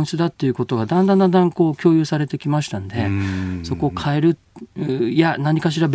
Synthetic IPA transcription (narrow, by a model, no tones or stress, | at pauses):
sɨd̪at̪ːe̞jɯ̟ko̞t̪o̞ɡad̪ãnd̪ãnd̪ãnd̪ãŋko̞ːkʲo̞ːjɯ̟ːsaɾe̞t̪e̞kʲimaɕi̥t̪anod̪e̞so̞ko̞ːkʰaeɾɯ̟ | janaɲ̟ikaɕ̬iɾab